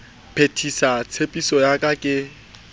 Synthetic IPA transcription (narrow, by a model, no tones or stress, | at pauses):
pʰetʰisat͡sʰepʼisɔjakʼakʼɪ